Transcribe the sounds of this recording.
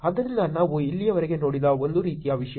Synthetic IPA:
ɐd̪ɐɾind̪ɐnaːʋuilːijɐʋɐɾɛɡenoːɽid̪ɐond̪uɾiːt̪ijaːʋiʂɐj

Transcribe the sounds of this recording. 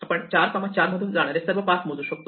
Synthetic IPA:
ɐpəɳt͡ɕaɾkɔmat͡ɕaɾməd̪ʱuːnd͡zaɽ̃aɾesɐɾʋəpasmuzuɕək̚t̪o

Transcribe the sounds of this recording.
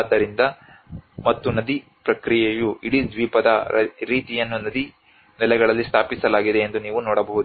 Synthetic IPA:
d̪ːɐɾind̪ɐ | mɐt̪ːunɐd̪ipɾɐkɾijejuiɽid̪ʋiːpɐd̪ɐɾiːt̪ijɐnːunɐd̪i | nɛlɛɡɐɭɐlːist̪ʰaːpisɐlaːɡid̪e̞ːnd̪uniːʋunoːɽɐbɐɦud̪u

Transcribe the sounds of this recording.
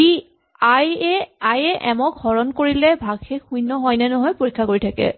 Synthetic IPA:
i | ajɛajɛʔɛmɔkɡɔɹɔnkoɹilɛbʱaɡxekxujnɔɦɔjnɛnɔɦɔjpoɹikʰːakoɹitʰakɛ̰

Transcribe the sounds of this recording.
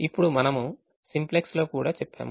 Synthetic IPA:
ipːuɽumɐnɐmu | simplekslo̞ːkuːɽaːt͡ʃɛpːa̰ːmu

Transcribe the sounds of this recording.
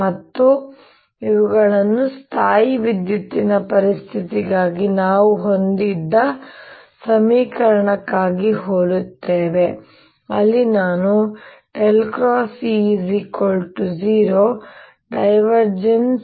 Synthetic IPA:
mɐt̪ːu | iʋuɡɐɭɐnːust̪ʰaːjiʋid̪jut̪ːinɐpɐɾist̪ʰit̪iɡaːɡinaːʋuɦo̞nd̪id̪ːɐ | sɐmiːkɐɾɐɳɐkːaːɡiɦoːlut̪ːeːʋe̞ | ɐlːinaːnuʈelkɾaːsizikoːlʈud͡ʒiːɾoː | ɖɐjʋɐɾd͡ʒens

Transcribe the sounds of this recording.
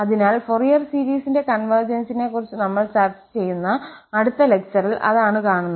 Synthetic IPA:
ɐðinaːlforjɐrsiːɾiːsinde̞kɐnʋɐrd͡ʑɐnsine̞kːurit͡ɕːɨnɐmːɐɭt͡ɕart͡ɕt͡ɕe̞jːunːɐːɽut̪ːɐle̞k̚t͡ɕɐrilʔɐ̰ðaːɳɨkaːɳunːɐ

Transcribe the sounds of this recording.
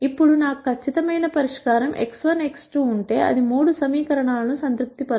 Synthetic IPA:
ipːuɽunaːkukʰːɐt͡ʃːit̪ɐmɐjnɐpɐɾiʂkaːɾɐmʔḛksʋɐneksʈuːɳʈe̞ːʔɐ̰d̪imuːɽusɐmiːkɐɾɐɳaːlɐnusɐnt̪ɾup̚t̪ipɐ

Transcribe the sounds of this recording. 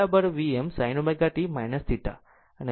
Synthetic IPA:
abəɾʋiemsajnomeɡaʈimajnəst̪iʈa̰ | əne

